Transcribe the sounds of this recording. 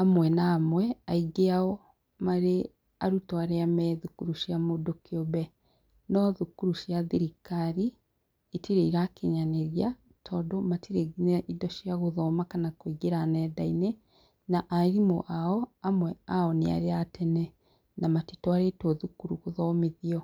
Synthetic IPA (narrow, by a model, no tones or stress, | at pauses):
amwɛnaːmwɛaiɡeaɔ | maɾe | aɾutɔaɾeamɛðukuɾuʃjamodokiɔbɛ | nɔðukuɾuʃjaðiɾikaɾiː | tiɾeiɾakeɲaneɾja | tʰɔːdomatiɾeɡinɛʔidɔʃjaɣoðɔmakanakwiɡeɾanɛdaine | naʔaɾimo̰ʔaɔamwɛaɔnea̰ɾeatʰɛnɛ | namatitɔaɾetɔðukuɾuɣoðɔmeðiɔ